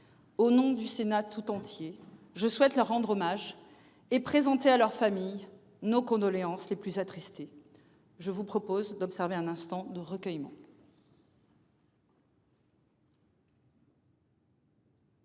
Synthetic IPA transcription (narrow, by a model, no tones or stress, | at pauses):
onɔ̃d̪ysenat̪ʰut̪ɑ̃t̪je | ʒəswɛt̪lœʁːɑ̃d̪ʁomaʒ | epχezɑ̃t̪ealœʁfamij | nokɔ̃d̪ɔleɑ̃sleplyzat̪χist̪e | ʒəvupχɔpozd̪ɔpsɛʁveɛ̃nɛ̃st̪ɑ̃d̪əʁəkʲœjmɑ̰̃